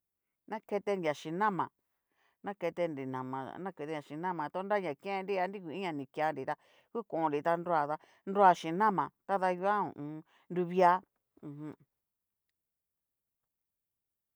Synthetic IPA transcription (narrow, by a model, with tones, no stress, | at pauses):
nã˦ke˧t̪e˧ndja˨ʃĩ˧nã˦˨mã̰˨ | nã˦ke˧t̪e˧nɾi˨nã˨mã̰˨nã˦ke˧t̪e˧a˨˧ʃĩ˨nã˦mã˨t̪o˦nɾa˦ɲã˨kẽ˦˧nɾi˦a˧˦nɾi˦ku˨i˦ɲã˧nĩ˨kja˧nɾi˨t̪a˧˦ | ku˦kõ˨õ˧nɾi˨t̪a˧nɾo˦˧a˧˨ða˧ | nɾo˦a˧ʃĩ˨nã˦mã˨t̪a˦ða˧ju˧a˦ṵ̃˨ũ˧˦ | ndu˧βi˦a˦ | ũ˧ɦũ˦